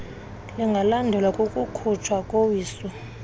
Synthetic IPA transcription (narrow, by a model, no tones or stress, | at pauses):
liŋɡʱalandʱɛlwakʼokʼukʰut͡ʃʰwakʼowiːsɔ